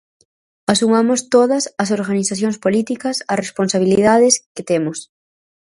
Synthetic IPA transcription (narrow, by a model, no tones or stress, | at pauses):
asumamʊst̪oðɐsɐsoɾɣaniθaθjoŋspolit̪ikɐsɐresponsaβ̞iliðaðɪsket̪emʊs